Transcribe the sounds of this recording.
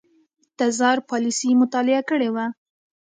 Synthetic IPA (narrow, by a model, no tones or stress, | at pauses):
t̪azɑɾpɑlisimʊt̪ɑlɪakəɽewa